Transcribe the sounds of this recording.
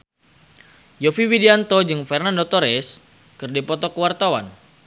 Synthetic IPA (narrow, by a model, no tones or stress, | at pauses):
jofiwidiant̪od͡ʒɨŋfɛrnandɔt̪ɔɾɛs | kɨrdipɔt̪ɔkəwart̪awa̰n